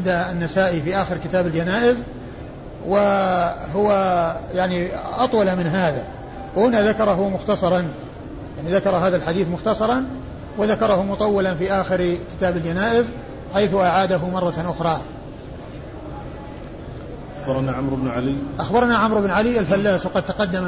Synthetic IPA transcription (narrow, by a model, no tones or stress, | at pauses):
d̪anːasaːʔifiʔaːxɪɾkɪt̪aːbald͡ʒanaːʔɪz | wɪɦʊwajaʕniʔɑt̪ˤwɑlamɪnɦaːða | whʊnaðakɑɾˤɑɦʊwmʊxt̪ɑsˤɑɾˤɑn | jaʕniðakɑɾˤɦaːðalħad̪iːθmʊxt̪ɑsˤɑɾˤɑn | wɪðakɑɾˤɑhʊmʊt̪ˤɑwːɪlanfiːʔaːxɪɾkɪ̥t̪aːbald͡ʒanaːʔɪz | ħajθʊʔaʕaːd̪aɦʊmɑrˤːɑʔʊxɾˤɑː | ʔabɑɾˤnaʕamɾɪbnʕaliʔaxbɑɾˤnaʕamɾɪbnʕaliʔalfalːaːswqɑd̪̚t̪ɑqɑd̪ːam